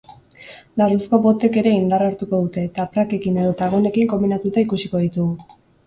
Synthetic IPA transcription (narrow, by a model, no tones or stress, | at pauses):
d̪arusko̞βo̞t̪e̞ke̞ɾe̞ind̪araɾt̪uko̞ð̞ut̪e̞t̪apɾake̞kine̞ðo̞t̪aɣo̞ne̞kiŋko̞mbinat̪ut̪aikusiko̞ðit̪uɣu